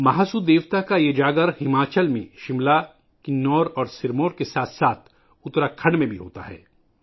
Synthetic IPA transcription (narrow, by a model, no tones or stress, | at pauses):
mɐɦaːsud̪eːʋt̪akajed͡ʒaːɡəɾhɪmaːt͡ʃəlmẽʃɪmla | kɪnɔːɾɔːɾsɪɾmoːɾkesaːt̪ʰsaːt̪ʰ | ʊt̪ɾakʰɐɽmẽbʱiɦo̰ːt̪a̰ɦɛ̰ː